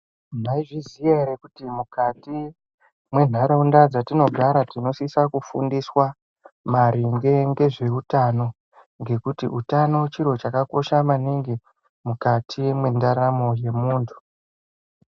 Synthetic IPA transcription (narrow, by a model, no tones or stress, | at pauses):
maiʐizieɾekutimukati | mwe̞n̤aɾaundad͡zatino̞ɡʱaɾatino̞sisakufṵndiswa | maɾiŋɡe̞ŋɡe̞ʐe̞utano̞ | ŋɡe̞kutḭʔutano̞t͡ʃiɾo̞t͡ʃakako̞ʃamaniŋɡi | mukatʰimwe̞ndaɾamo̞je̞muːntʰu̥